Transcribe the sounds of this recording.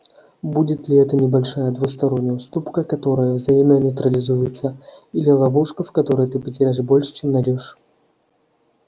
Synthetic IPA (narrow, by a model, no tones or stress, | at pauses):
budʲɪt̪lʲiɛt̪ɐnʲɪbalʲʂajɐd̪vust̪aɾɔnʲːəwst̪upkɐkat̪ɔɾəjɐvzajimʲɐnʲɐjt̪ɾɐlʲɪzujɪt̪sːɐilʲɪlˠavuʂkɐfkat̪ɔɾɨjt̪ɨpət͡sʲɪɾʲaʂbɔlʲʂt͡ʃɛmnaɾʲɔʂ